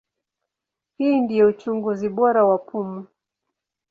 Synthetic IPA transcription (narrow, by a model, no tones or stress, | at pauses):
hiːndijɔut͡ʃuŋɡuziɓɔɾawapʰumu